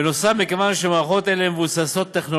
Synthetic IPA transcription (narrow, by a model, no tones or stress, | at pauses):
enosamikevanʃemaχo̞t̪elemevusaso̞t̪ːeχno̞